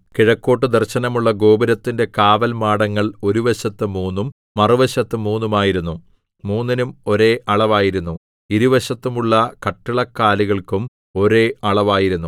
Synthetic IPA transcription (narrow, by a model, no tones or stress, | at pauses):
kiɻɐkːo̞ːʈ̬ːɨd̪ɐrɕɐnɐmuɭːɐɡo̞ːbɐɾɐt̪ːinde̞kaːʋɐlmaːɽɐŋːɐɭo̞ɾuʋɐɕɐt̪ːɨmuːnːumː | ɐrɨʋɐɕɐt̪ːɨmuːnːumaːjiɾunːu | muːnːinumo̞ɾe̞ːʔɐɭɐʋaːjiɾunːu | iɾuʋɐɕɐt̪ːumuɭːɐkɐʈːiɭɐkːaːliɣɐɭkum | o̞ɾe̞ːɐɭɐʋaːjiɾunːu